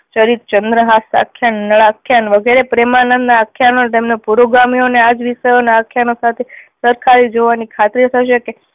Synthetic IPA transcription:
t͡ʃəɾit̪̚t͡ʃənd̪ɾəɦasa̰kʰːjanːəɭakʰːjanʋəɡeɾepɾemanənaakʰjanont̪emnepuɾoɡamionead͡ʒʋisəjoneakʰjanosat̪ʰesəɾkʰaɾid͡ʒoʋanikʰat̪ɾit̪ʰəʃeke

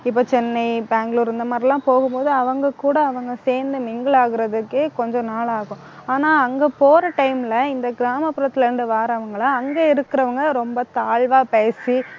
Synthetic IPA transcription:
ɪpːoːt͡ʃɛnːɐɪbaːŋɡɭuːɾɛnd̪ɐmaːd̪ɾɪlːãːpoːɣɯmpoːðɯɐʋɐŋɡɐkuːɽɐːʋɐŋɡɐseːɾnd̪ɯmɪŋɡɐɭaːɣɪɾɐðɯkːekɔɲd͡ʒɔ̃naːɭaːɣʊ̃ | aːnaːɐŋɡepoːɾɐʈɐɪmlɐɪnd̪ɐɡɪɾaːmɐpːɯɾɐt̪ːɪlɾɪɳɖɯʋaːɾɐɐʋɐŋɡɐɭaɐŋɡeːɪɾɯkːɪɾɐʋɐŋɡɐɾɔmbɐt̪aːɭʋaːpeːsi

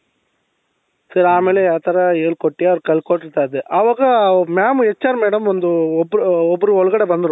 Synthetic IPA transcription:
sɐɾaːmelɐjaːt̪ɐɾaeːlkɔʈːɪjaɾkɐɭkoːʈːɾɯt̪aːðɯʔɐʋɐɣɐmaːmɛt͡ʃːaːɾmeːɽɐmʋɐnd̪ɯɔpːɾɯɔpːɯɾɯɔɭɣɐɽɐʋɐnd̪ɯɾũ

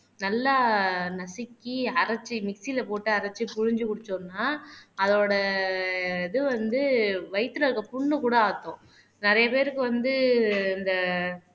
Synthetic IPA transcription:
nɐlːanɐsɪkːiɐɾɐt͡ʃːɯmɪksilɐpoːʈːɯɐɾɐt͡ʃːɯpʊɻɪɲd͡ʒɯkʊɽɯt͡ʃːonːaːɐðoːɽɐ | ɪðɯʋɐnd̪ɯʋɐɪt̪ːɯɾɐɾkːɐpʊɳːɯkuːɽɐaːt̪ːõ | nɪɾɐjɐpeːɾɯkːɯʋɐnd̪ɯɪnd̪ɐ

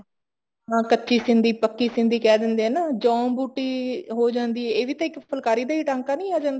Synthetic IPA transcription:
ɦãːkətːʃiːsɪnd̪iːpəkːiːsɪ̃nd̪iːkɛːd̪ɪnd̪eːɦɛːnaːd͡ʒɔ̃ːmbuːʈiːɦoːd͡ʒãːnd̪iːɦɛːeːʋiːt̪ãːɪkpʰəlkaːɾiːd̪aːiːʈãːŋkaːnĩːaːd͡ʒãːnd̪a

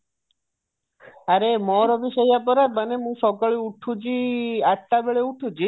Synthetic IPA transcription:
aɾemɔɾɔbiʃejap̬ɔɾamanemũʃɔkaɭiuʈʰut͡ʃiaʈʈabeɭeuʈʰũt͡ʃi

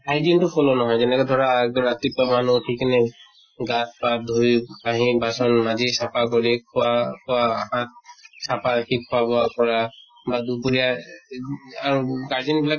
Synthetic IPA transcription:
ajdintʊpʰɔlɔnɔɦɔjzɛnɛkɔd̪ʱɔɹaːɡɹat̪ipɔmanutʰiknaj | ɡaspad̪ʱujpaɦĩbasɔnmazisapak̬ɔɹikʰɔakʰɔwaaɦãt̪̚sapakʰikʰːɔabɔapɔɹa | bad̪upuɹija | aɹuɡaɹzinbila

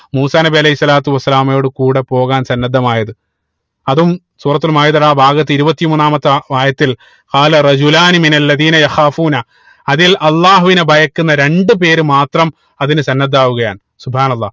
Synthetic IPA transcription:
muːsaːnɐbiɐlɐhisːɐlaːt̪uʋɐsːɐlaːmjo̞ːɽɨkuːɽe̞po̞ːɣaːnsɐnːɐd̪ːɐmaːjɐðɨ | ɐðum | suːrɐt̪ːulmaːjɐt̪uɽaːbʱaːɡɐt̪ːɨiɾubɐt̪ːimuːnːaːmɐt̪ːɐʋaːjɐt̪ːil | qaːlɐrɐd͡ʑulaːniminɐlːɐðiːnɐjɐxaːfuːnɐ | ɐðilʔɐlːaːɦuʋinebʱɐjɐkːunːɐɾe̞ɳɖɨp̬e̞ːɾumaːt̪rɐm | ɐðinɨsɐnːɐd̪ːaːʋuɣɐja̰ːn | subhaːnɐlˠːɑ̰ː

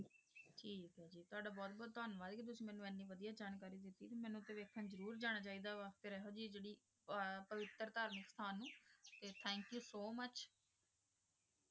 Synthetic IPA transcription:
ʈʰiːkɦɛːd͡ʒiːt̪ʊaːɖaːbɔːt̪̚bɔːt̪ːɔːnʋaːd̪keːt̪̬ʊsĩːmɛːnũːɛːnːĩːʋəd̪ijaːd͡ʒaːnkaːɾiːd̪ɪt̪ːiːt̪eːmɛ̃ːnũːt̪ːẽːʋeːkʰãːzəɾuːɾd͡ʒaːɽ̃aːt͡ʃaːiːd̪aːʋəkt̪eːɾɛɦoːd͡ʒiːd͡ʒeːɽiː | pəʋɪt̪ːəɾt̪aːɾməkst̪ʰaːnːũːt̪eːt̪ʰɛ̃ːŋkjuːsoːmət͡ʃ

